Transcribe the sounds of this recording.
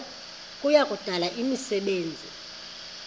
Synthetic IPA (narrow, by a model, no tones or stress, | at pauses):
kʼujakʼud̥ʱalaʔimisɛɓeːnd͡zʱḭ